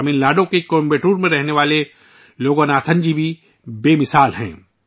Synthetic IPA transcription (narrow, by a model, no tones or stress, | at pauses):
miːnlaːɖõkekombeːʈuːɾmẽɾɛɦneʋaːle | loːɡõnaːt̪ʰə̃nd͡ʒibʱi | beːmɪsaːlɦɛ̰̃ː